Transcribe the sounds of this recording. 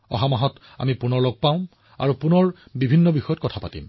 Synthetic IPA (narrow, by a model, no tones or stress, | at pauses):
ɔ̰ɦamaɦɔt | a̰mipunɔɹlɔɡ̚paʊ̃ | a̰ɹupunɔɹbibʱinːɔbixɔjɔtkɔtʰapatḭm